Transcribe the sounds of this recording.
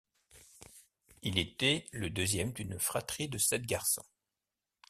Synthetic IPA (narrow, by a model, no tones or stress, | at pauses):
ilet̪ɛləd̪øzjɛmd̪ynfχat̪χid̪əsɛt̪̚ɡaʁsɔ̰̃